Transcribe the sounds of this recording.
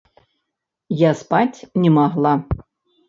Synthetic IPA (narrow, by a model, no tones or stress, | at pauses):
jaspatʲnʲemɑʁlˠɑ